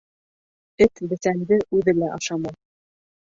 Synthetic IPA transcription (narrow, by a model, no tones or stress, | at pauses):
ɘt̪bɘ̆sæŋɡ̪ɘʔʉðɘlæʔɑʃɑmɑ